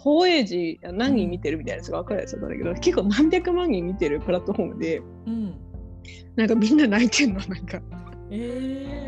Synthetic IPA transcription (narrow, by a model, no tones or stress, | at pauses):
ho̞ːe̞ːʑianãɲ̟ːĩɲʲːit̪e̞ɾɯ̟mʲit̪ainasoɡaβakaɾɯ̟ja̰t͡ssɨa̰t̪ːa̰nd̪a̰ked̪oke̞kːoːnãmbʲjakɯ̟mãɲ̟ːĩɲʲːit̪e̞ɾɯ̟pɯ̟ɾat̪ːo̞ho̞ːmɯ̟d̪e̞ | ɯ̃ | nãŋkamʲĩnːanait̪ʰẽ̞nːonãŋka | e